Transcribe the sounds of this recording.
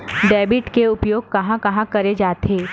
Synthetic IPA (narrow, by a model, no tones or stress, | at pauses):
ɖɛːbɪʈkeʊpjoːɡ̚kɐɦãkɐɦãkɐɾed͡ʒaːt̪eː